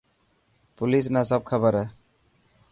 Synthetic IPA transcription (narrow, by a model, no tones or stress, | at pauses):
pulis̬nas̬ɔb̚kʰabaɾa